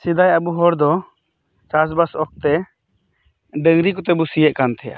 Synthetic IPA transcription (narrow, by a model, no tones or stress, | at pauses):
sid̪ajabuɦɔɾd̪ɔ | t͡ʃasbasɔk̚t̪ɛ | ɖəŋɾikɔt̪ɛbusijɛʔkant̪ʰɛja̰